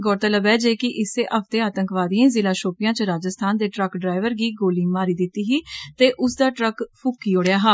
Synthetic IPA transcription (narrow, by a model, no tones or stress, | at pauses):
ɡɔːɾt̪ələbɛːd͡ʒeːkɪʔɪseːʔəpt̪eːaːt̪əŋkʋaːd̪ijãːzɪlaːʃoːpɪjãːt͡ʃəɾaːd͡ʒəst̪ʰaːnd̪eːʈɾəkɖɾaːɪʋəɾɡiːɡoːliːmaːɾiːd̪ɪt̪ːiːɦiːt̪eːʔʊsd̪aːʈɾəkpʰʊkːiːoːɽjaːɦaː